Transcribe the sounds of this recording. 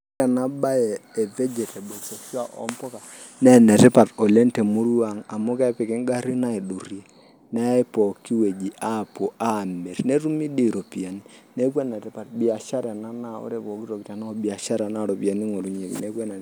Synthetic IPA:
ɛ˨na˦ɓa˦jɛː˨vɛ˦d͡ʒɛ˨tɛ˨ɓo˨so˨ʃa˨ʔɔ̰˦mpɔ˦ka˨ | nɛ˦nɛ˨tɛ˦pa˨tɔ˨lɛ˦ntɛ˨mu˦ɾu˦a˨ŋa˨mo˦kɛ˦pɛ˨kɛ˦ŋɡa˦ɾi˦na˦i˨ɗo˨ɾi˦ɛ˨ | nɛ˦i˦pɔ˨ki˦we˨d͡ʒi˨ʔa˦˨po˨ʔa˦˨mɛ˨ɾne˦ɾu˦mi˦di˦˨ɾo˨pi˨a˨ni˦ne˦kwɛ˦nɛ˨tɛ˦pa˨tbi˦a˨ʃa˦ɾɛ˨na˦na˦o̰˦ɾɛ˨pɔ˨ki˦ɾɔ˨ki˨ta˨na˦ɔ˨ɓi˨a˨ʃa˦ɾa˨˦na˦ɾɔ˨pi˨a˨ni˦ŋo˨ɾu˦ɲe˨kḭ˨nɛ˦kwɛ˦na˨

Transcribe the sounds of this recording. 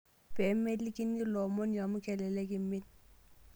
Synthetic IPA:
bɛ˨˦me˦li˦ki˦ni˦lɔ˨mɔ˦nja˨mʊ˦kʰɛ˨lɛ˨lɛ˦kɪ˨mɪ˦t̚

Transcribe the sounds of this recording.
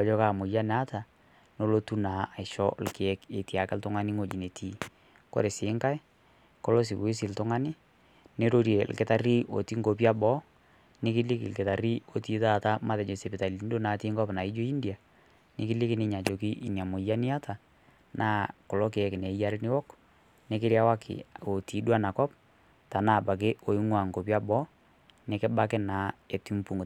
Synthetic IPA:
d͡ʒɔ˦ka˨mʊ˨ja˦na˦ta˨ | no˦lo˦tu˦na˨a˨ɪʃɔ̰˦lke˨ɛ˦ke˨ti˨a˨kɛ˦ltʊ˦ŋa˦nɪ˦ŋo˨d͡ʒi˨ne˨tʰi˨˦ | ko̰˦ɾe˨sɪː˨˦ŋka˦j | kɔ˦lɔ˦s̬i˨ku˨i˦s̬ɪ˨ltʊ˦ŋa˦nɪ˦ | ne˦ɾo˦ɾje˨lkɪ˦ta˦ri˦o̰˨ti˦ŋɡo˨p̬ja˦bɔ˦ | nɪ˦kɪ˦li˦kɪ˨lkɪ˨ta˨ɾi˦o˨ti˦ta˦˨ta˦ma˦ðɛ˨d͡ʒo˨se˨pɪ˨ta˨li˨˦n˦do˦na˨˦ti˦ŋɡɔ˦pna˨i˦d͡ʒo˦i˦ndi˨a˨ | nɪ̰˦kɪ˦lɪ˦kɪ˦nɪ˦ɲa˨t͡ʃo˨ki˦ʔi˨ɲja˨mo˨ja˦nɪ˦a˦ta˨ | nʔaː˦kʊ˨lɔ˦ke˨ɛ˨˦kɪ˨ne˨˦ja˦ɾɪ˦nɪ˦wɔ˦k | nɪ˦kɪ˦ɾja˦wa˦kʰɪ̰˨o˨ti˨˦dwa˦na˨kɔ˦p | ta˨na˨ba˨k̬e˦o˨i˦ŋwa˨ŋko˨p̬ja˦bɔ˦ | nɪ˨kɪ˦ba˦kɪ˦na˨˦e˨ti˦mpu˨ŋ˨

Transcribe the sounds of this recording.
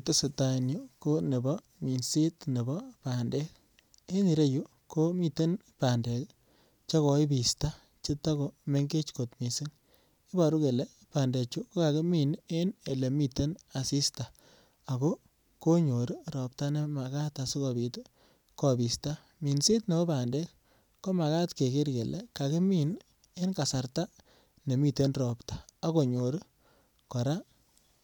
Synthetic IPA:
te˦se˨ta˨nju˦ko˦nɪ˨bɔ˦ | mi˨nsi˦tnɪ˨bɔ˦pa˨nde˦k | e˦ni˨ɾe˦ju˦ | ko˦mi˨te˦npa˨nde˨ | t͡ʃa˦kɔ˨i˦bi˨sta˦ | t͡ʃɪ˦ta˦ko˨me˦ŋɡe˦t͡ʃko˨tmi˨sɪ˦ŋ | ɪ˦ba˨ɾu˦ke˨le˦ | pa˨nde˨t͡ʃu˦ko˦ka˨ke˦mi˨ne˦ne˨le˨mi˨te˦na˨si˦sta˨ | a˨kɔ˦ | ko˦ɲo˨ɾɾɔ˨p̚ta˦ne˦ma˨ka˦ta˨su˦kɔ˨bi˨t | kɔ˨bi˨sta˦ | mi˨nse˦tne˨˦pa˨ndɛ˦k | kɔ˦ma˨ka˦tke˨kɪ˦ɾkɛ˨lɛ̰˦ka˨ke˦mi˨n | e˦nka˨sa˨rta˦ | ne˨mi˨te˦nrɔ˨ptḁ˨a˦ko˨ɲo˨ɾ | kɔ˨ɾa˦

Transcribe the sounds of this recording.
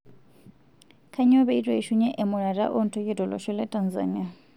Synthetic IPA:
kʰa˦ɲɔ˦βɛ˦i˦tʼwɛ˨i˨ʃu˦ɲɛ˦ʔɛ˨mʊ˨ɺa˨ɾa̰˦ʔɔ˦n̩˨tʰɔ˦jɛ˦dɔ˨lɔ̰˨ʃɔ˦lɛ˦tʼa˨nza̰ni˦a˨

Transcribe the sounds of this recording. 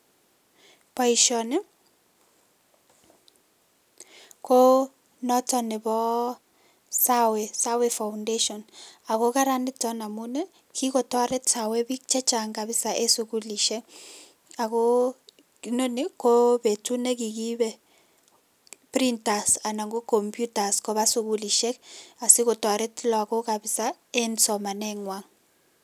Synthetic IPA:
pɔ˦i˨ʃɔ˨nɛ˦ | kʰo˦ | nɔ˦tɔ˨nɛ˨bɔ˦ | sa˦we˨sa˦wɛ˨fa˨wʊnde˦ʃɔ˨na˨ko˦ka˦ɾa˦ndi˦tɔ˦na˨mu˦nɛ˦ | kʰi˦kɔ˨tɔ˦ɾɛ˦ta˨wɛ˦bi˦kt͡ʃɛ˦t͡ʃa˨ŋka˨bɪ˦sa˨ʔe˦su˨ku˦li˨ʃɛ˦ | a˨ko˦ | kno˦ne˦kɔ˦be˨tu˦nɛ˦k̬i˨ki˦bɛ˦ | pɾi˦nta˨sa˨na˨ŋɡo˦ko˨mpju˦ta˨skɔ˦βa˦su˨˦ku˦li˨ʃɛ˦ka˨si˦kɔ˨twa˨ɾɛ˦tlɔ˨a˨ko˦ka˨bi˨sa˦ | ɛ˦nsɔ˨ma˨nɛ˦ŋwa˦ŋ

